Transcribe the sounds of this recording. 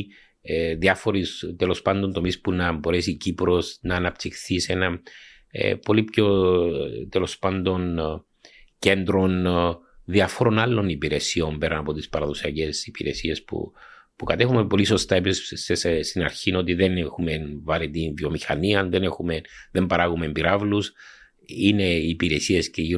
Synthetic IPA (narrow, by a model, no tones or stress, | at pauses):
ðiɐfo̞ɾist̪elospɐnd̪o̞nt̪o̞mispunɐbo̞ɾe̞sicipɾo̞snɐːnɐpt̪ixθisenɐ̰ | po̞lipço̞ | t̪elo̞spɐnd̪o̞n | ce̞nd̪ɾo̞n | ðiɐfoɾo̞nɐlːo̞nipiɾe̞sio̞mbe̞ɾɐnɐpo̞t̪ispɐɾɐðo̞siɐce̞sipiɾe̞sie̞spṵ | pukɐt̪e̞xumepo̞liso̞st̪aɐepissesest̪inɐɾçino̞t̪iðe̞nexumenvɐɾit̪ivio̞mixɐniɐnðene̞xumeðe̞mbɐɾɐɣumembiɾɐvlus | ine̞iːpiɾe̞sie̞sceʝi